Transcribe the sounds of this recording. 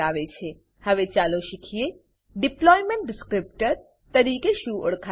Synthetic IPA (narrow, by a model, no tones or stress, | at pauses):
aʋet͡ʃʰe | həʋet͡ʃaloʃikʰije | ɖɪplɔjmẽɳʈ̚ɖɪskɾɪp̚ʈəɾ | t̪əɾikeʃũʔo̰ɽkʰa